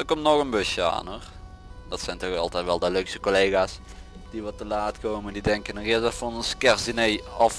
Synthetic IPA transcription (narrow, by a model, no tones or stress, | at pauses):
əkɔmtnɔxənbøsjəa̰ːnor | dɔtsɛjntɔxɑ̰lˠtɛjtʋɛlˠdəløksəkoleːɣas | d̥iʋɔtəlaːtkoːməndidɛŋkənərɪzətfɔnənskɛrsinejɔf